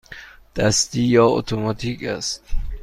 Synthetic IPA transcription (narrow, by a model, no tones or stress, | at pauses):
d̪̥æst̪iːjɒːo̰t̪ʰomɒt̪ʰiːkʰæst̪